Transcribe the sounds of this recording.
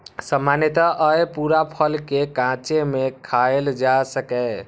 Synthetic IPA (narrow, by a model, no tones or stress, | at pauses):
səmːanet̪aʔəjpuɾapʰəlkekãt͡ʃemekʰaeld͡ʒasəkɛ